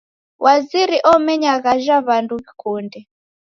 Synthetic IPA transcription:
wʔaziɾiʔɔmɛɲaɣaʒaβanduβikundɛ

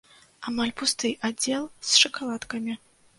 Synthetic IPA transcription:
amalʲpust̪ɨjʔad͡zʲɛlˠsʂɨkalˠat̪kɐmʲi

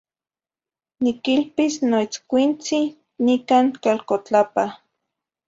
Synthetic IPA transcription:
nikilpisnoit͡skʷint͡si | nikaːŋkalkot͡ɬapa

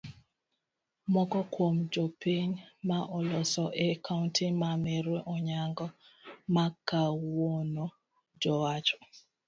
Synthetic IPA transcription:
mɔkɔkwomd͡ʒɔpiɲmaʔɔlɔsɔʔɛkʰauntʰimamɛɾweʔɔɲaŋɡɔ | makːawono | d͡ʒɔwat͡ʃɔ̥

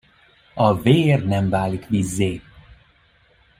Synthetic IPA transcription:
ɒveːrnɛɱvaːlikʋizːeː

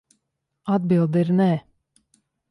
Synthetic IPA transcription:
ad̪̚bilˠd̪iɾnɛ

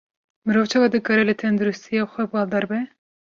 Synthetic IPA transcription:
mɨɾoːvt͡ʃʰɑvɑd̪ɨkɑːɾɛlɨt̪ʰɛnd̪uɾust̪ʰijɑːxʷɛbɑːld̪ɑɾbɛ

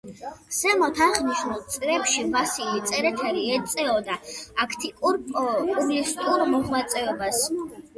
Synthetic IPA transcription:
sɛmɔt̪ʰaʁniʃnulˠt̪sʼɾɛpʃivasilit̪sʼɛɾɛt̪ʰɛɾiɛt̪sʼɛɔd̪aakʰt̪ʰʼikʼuɾpʼuɡlist̪ʼuɾmɔʁwat̪sʼɛɔbas

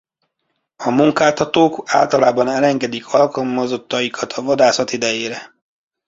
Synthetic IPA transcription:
ɒmuŋkaːt̪ɒt̪oːka̰ːlt̪ɒlaːbɒnɛlɛŋɡɛd̪ikʰɒlkɒlmɒzot̪ːɒjikʰɒt̪ʰɒvɒd̪aːsɒt̪id̪ɛjeːɾɛ

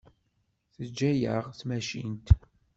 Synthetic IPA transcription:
θəd͡ʒːæjə̰ʁθmæʃḭnt̪

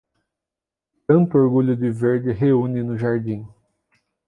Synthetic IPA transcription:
t̪ɐ̃nt̪ʊoɾɡuʎʊd̪ɪveɾd͡ʒɪɦeũnɪnʊʒaɾd͡ʒĩ

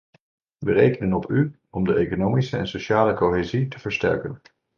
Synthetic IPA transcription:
ʋərejkənənɔpʰy | ɔmdəʔejkonowmisəɛ̰nsoʃaːləkowɦezitəv̥əɹstɛ̰ɹkən

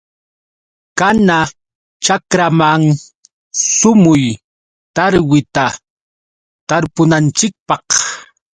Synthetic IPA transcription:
kana | t͡ʃakɾamaŋ | sʊmʊj | t̪aɾwɪt̪a | t̪aɾpʊnant͡ʃɪk̚pɑχ

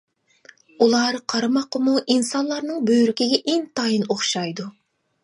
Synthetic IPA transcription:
ulˠɑɾqʰɑɾɨmɑqəmuʔinsɑnlˠɑɾnɨŋbøjyɾykʲiɡʲɛʔeŋt̪ʰɑjɨnoχʃɑjd̪u

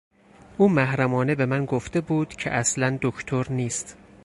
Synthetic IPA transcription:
ʔuːmæhɾæmɒːnebe̞mænɡoft̪e̞buːd̪̥cʰe̞̰ʔæslænd̪okʰt̪ʰoɾniːst̪

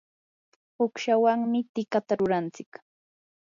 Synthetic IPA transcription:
hʊkʃawaŋmɪt̪ɪkat̪aɾʊɾant͡sɪk

